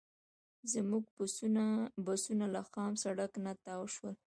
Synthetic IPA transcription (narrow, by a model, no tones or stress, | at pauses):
zəmuɡ̚p | basunalaxɑmsaɽaknat̪awʃwəl